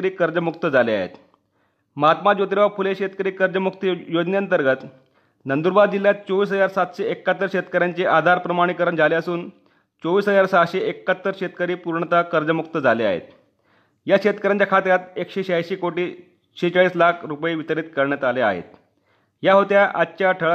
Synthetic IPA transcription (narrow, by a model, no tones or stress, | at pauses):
ɾiːkəɾd͡zəmukt̪əd͡zalea̰ɦḛt̪ | məɦat̪mad͡ʑot̪̬ɾeʋafuleɕet̪kəɾiːkəɾd͡zəmuk̚t̪əjod͡ʑneaənt̪əɾɡət̪ | nənd̪uɾbad̪d͡ʑiljat̪̚t͡soʋiːsɦəd͡zaɾsat̪ɕeekːat̪ːəɾɕet̪kəɾjaɲt͡ɕeʔad̪ʱaɾpɾəmaɽ̃ikəɾəɳd͡zʱaleəsuːn | t͡soʋiːsɦəd͡zaɾsatɕeekːat̪ːəɾɕet̪kəɾiːpuɾɳət̪akəɾd͡ʑəmuk̚t̪əd͡zʱalea̰ɦḛt̪ | jaɕet̪kəɾjaɲt͡ɕakʰat̪jat̪ekɕeɕajɕekoʈiː | ɕet͡saɭiːslakʰɾupjiʋit̪əɾiːt̪kəɾɳjat̪alea̰ɦḛt̪̚ | jaɦot̪jaʔatːɕaʈʰəɭ